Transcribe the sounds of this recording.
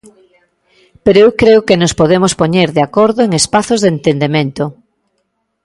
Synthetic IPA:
peɾoewkɾeʊkenospoðemʊspoɲeɾðeakoɾðoeŋespaθozðent̪end̪emẽnt̪ʊ

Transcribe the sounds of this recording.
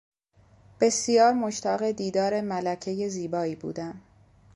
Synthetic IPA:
b̥e̞sijɒːɾmoʃt̪ʰæɣe̞d̪iːd̪ɒːɾe̞mælæcʰe̞je̞ziːbɒːiːbṵːd̪æm

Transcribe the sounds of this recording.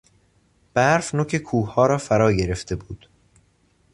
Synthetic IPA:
b̥æɾfnocʰekʰuːhɒːɾɒːfæɾɒːɟe̞ɾe̞ft̪ʰe̞buːd̪̥

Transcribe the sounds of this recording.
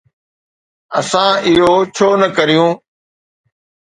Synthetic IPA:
ɐ̰sãːɪɦoːt͡ɕʰoːnəkəɾijũː

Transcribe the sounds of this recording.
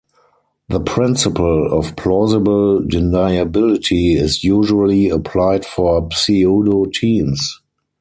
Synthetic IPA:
ðəpʰɹɪ̃nsɪpəlɔfpʰlɔzɪbəldɪnaɪabɪlɪtʰiɪsjuːʒuəliəpʰlaɪdfɔpsiodotʰĩːms

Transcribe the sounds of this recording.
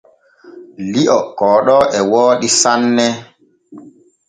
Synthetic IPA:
liʔɔkɔːɗɔʔɛwɔːɗisanːɛ

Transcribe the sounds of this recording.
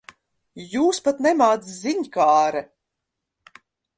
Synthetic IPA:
juːspat̪nɛmaːt̪szʲiɲkaːɾɛ

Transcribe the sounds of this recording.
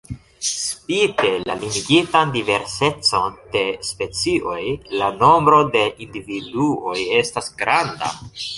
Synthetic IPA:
spite̞lalimiɡitandive̞ɾse̞t͡so̞nd̥e̞spe̞t͡siʔo̞jlano̞mbɾo̞de̞ʔindividuo̞je̞stasɡɾanda̰

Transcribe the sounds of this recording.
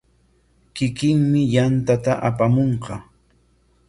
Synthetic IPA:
kɪkɪŋmɪjant̪at̪aʔapamoɴqɑ

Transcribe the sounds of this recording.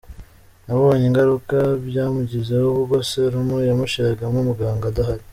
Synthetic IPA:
naββoɲiŋɡaɾukabjaːmuɟizehoβuɡoseɾumujamuʃiɾaɡamumuɡaːŋɡadaɦaɾi

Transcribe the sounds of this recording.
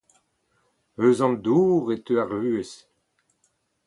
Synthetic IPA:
øzɑ̃md̪uːʁet̪øaʁyːes

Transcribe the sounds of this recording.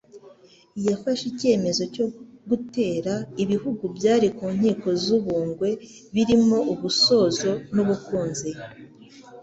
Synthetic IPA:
jafaʃice̞ːme̞zo̞co̞ɡute̞ːɾaiβihuɡubjaːɾikuːɲ̥hiːko̞zuβuːŋɡwe̞ | βiɾimo̞uβuso̞ːzo̞nuβukuːnzi

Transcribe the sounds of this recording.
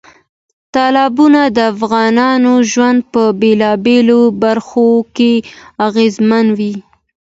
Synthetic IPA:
t̪ɑlɑbunad̪əafɣɑnɑnoʒwand̪̚pəbelɑbelobaɾxokeaɣezmanwi

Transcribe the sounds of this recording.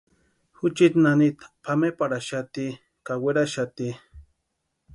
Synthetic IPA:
hut͡ʃit̪nanit̪pʰamepaɽaʃat̪i | kaweɾaʃat̪i

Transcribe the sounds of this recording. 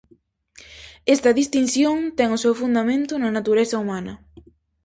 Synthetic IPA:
est̪ɐðist̪in̟θjoŋt̪ɛŋʊsewfund̪amẽnt̪ʊnɐnat̪uɾesɐumanɐ

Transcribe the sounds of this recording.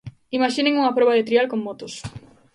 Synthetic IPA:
imaʃinẽŋuŋɐpɾɔβaðet̪ɾialkoŋːot̪ʊs

